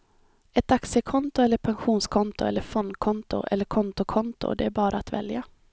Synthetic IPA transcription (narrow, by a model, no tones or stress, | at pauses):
ɛt̪aksəkʰɔnt̪ʊɛlːəɾpʰɛnɧuːnskʰɔnt̪ʊɛ̰lːəɾfɔnd̪kʰɔnt̪ʊ̰ʔɛ̰lːəɾkʰɔnt̪ʊkʰɔnt̪ʊ̰d̪ɛæɾbɑːɾʔaːt̪vɛ̰lja